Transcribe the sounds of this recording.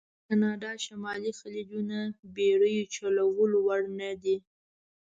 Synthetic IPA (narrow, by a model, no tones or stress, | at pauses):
kanɑɖɑʃamɑlixalid͡ʒunabeɽəjot͡ʃalawəlowaɽnad̪i